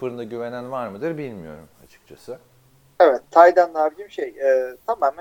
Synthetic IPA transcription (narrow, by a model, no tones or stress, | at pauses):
ɯɾɯnd̪aɟyvenænvaɾmɯd̪ɯɾbilʲmijo̞̰ɾuma̰t͡ʃʰɯ̥k̚t͡ʃʰasɯ | evɛt̪ʰːajd̪ænlˠabid̪imʃejɛːt̪ʰamam